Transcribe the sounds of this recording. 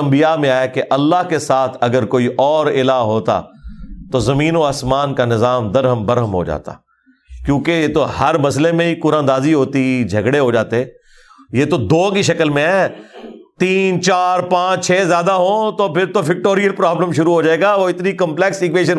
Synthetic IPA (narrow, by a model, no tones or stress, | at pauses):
ɐ̃mbijamẽaːekeʔɐlːaɦkesaːt̪ʰɐɡəɾkoːiʔɔːɾɪlaːɦoːt̪a̰t̪ozɐmĩːnoaːsmaːnkanɪzaːmd̪ɐɾɦəmbɐɾɦəmɦo̰d͡ʒa̰ːt̪a̰ː | kjõːkejet̪ohɐɾmɐslemẽikʊɾãːnd̪aːziɦoːt̪id͡ʒʱɐɡɽeɦod͡ʒaːt̪eɛː | jeːt̪od̪oːkiʃɐkəlmẽɦɛːt̪iːnt͡ʃaːɾpãːt͡ʃt͡ʃʰɛːzjaːd̪aɦõːt̪opʰɪɾt̪ofɪk̚ʈoːɾijəlpɾaːbləmʃʊɾuɦoːd͡ʒaːeːɡaʋoɪt̪nikə̃mplɛksɪkʋeːʃ̬ən